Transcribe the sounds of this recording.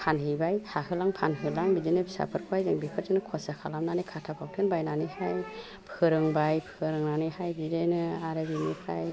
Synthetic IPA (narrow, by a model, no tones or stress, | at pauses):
pʰanhɯbajhahɯlaŋpʰanɦɯlaŋbizɯnɯbisa̰pʰɯɾkʰajzɯŋbipʰɯɾzɯnɯkʰɔsakʰalamnanɯkʰatʰapʰak̚tʰɯnbajnanɯhaj | pʰɯɾɯŋbajpʰɯɾɯŋnanɯhajbidenɯaɾɯbinikʰaj